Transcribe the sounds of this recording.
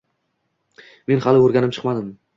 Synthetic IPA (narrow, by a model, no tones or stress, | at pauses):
me̞nhalɪoɾɡʲanɪmt͡ʃʰɨ̥qmad̪ɪm